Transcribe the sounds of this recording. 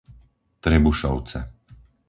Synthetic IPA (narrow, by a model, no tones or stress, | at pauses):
t̪ɾɛbuʃɔʊt͡sɛ̰